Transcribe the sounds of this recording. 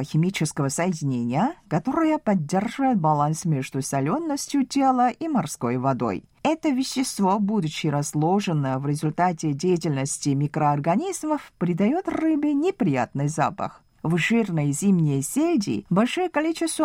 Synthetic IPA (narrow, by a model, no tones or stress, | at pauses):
əxʲɪmʲit͡ɕɪskəvəsəjɪdʲɪnʲenʲɪjəkɐt̪o̞ɾəjəpɐdʲːerʐɨvəjɪt̪̚bɐlˠansmʲeʐd̪ʊsɐlʲonːəsʲtʲjʊtʲelˠəʔʔimɐrsko̞jvɐd̪o̞̰j | ɛt̪əvʲɪɕːɪst̪vobud̪ʊt͡ɕːɪɾɐzlˠoʐɨnəvɾʲɪzʊlʲt̪atʲɪdʲejɪtʲɪlʲnəsʲtʲɪmʲikɾəɐrɡɐnʲizməfpɾʲɪd̪ɐjot̪rɨbɨnʲɪpɾʲɪja̰t̪nɨjza̰pə̰x | vʐɨrnəjzʲimnʲɪjsʲedʲɪ̰bɐlʲʂɨjəkɐlʲit͡ɕɪst̪və